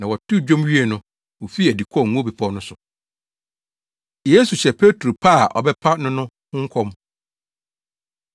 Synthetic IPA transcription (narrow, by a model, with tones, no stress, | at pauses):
nã˨wɔ˨tʰu˦˨d͡ʑᶣõ˦mɥi˦e˨nʊ̃˦ | wo˨fi˦æ˨di˨kʰɔ˦˨ŋ̩̃˨˦bi˨pʰɔ˦nʊ̃˦sʊ˨ | je˦su˨ɕɛ˨pʰe˦tʰɾo˨pʰa˦a˨ʔɔ̰˨bɛ˦pʰa˦nʊ̃˦nʊ̃˦ | hʊ̃˦ŋ̩˦kʰɔ̃˦m